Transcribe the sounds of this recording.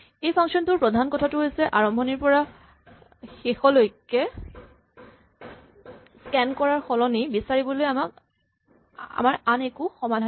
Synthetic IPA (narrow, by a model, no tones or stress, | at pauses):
ejpʰaŋksɔntʊɹpɹɔdʱankɔtʰatʊɦojsɛʔaɹɔmbʱɔniɹpɔɹa | xexɔlojkːɛ | skɛnkɔɹaɹxɔlɔnibisaɹibɔlojamak | a̰maɹanekuxɔmadʱa